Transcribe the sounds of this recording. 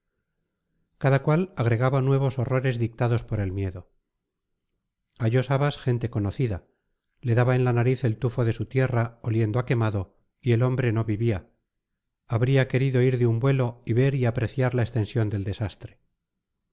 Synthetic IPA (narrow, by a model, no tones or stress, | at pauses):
kaðakwalaɣ̞ɾe̞ɣ̞aβanwe̞β̞o̞so̞ro̞ɾe̞zðik̚t̪aðo̞spo̞ɾe̞lmje̞ðo̞ | aʝo̞saβasxe̞nt̪e̞ko̞no̞θiða | le̞ðaβae̞nlanaɾiθe̞lt̪ufo̞ðe̞sut̪je̞raolje̞nd̪oake̞maðo̞ | ie̞lo̞mbɾe̞no̞βiβia | aβɾiake̞ɾiðo̞iɾðeumbwe̞lo̞iβe̞ɾiapɾe̞θjaɾlaest̪e̞nsjo̞nd̪e̞ld̪e̞sast̪ɾe